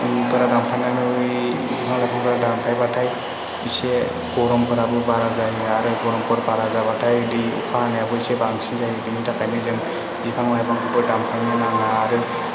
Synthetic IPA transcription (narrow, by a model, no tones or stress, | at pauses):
pɯɾadampʰananɯ | pʰaŋzapʰaŋpʰɯɾadampʰajbatʰaj | isɛ | bɔɾɔmpʰɯɾabɯbaɾazajaɾɯbɔɾɔmpʰɔɾbaɾazabatʰajɯdiṵkʰaanajabɔisɛbaŋsizaɦidinitakajmɛzɯn | zipʰaŋlajbaŋkʰɯbɔdampʰajnananaːɾɯ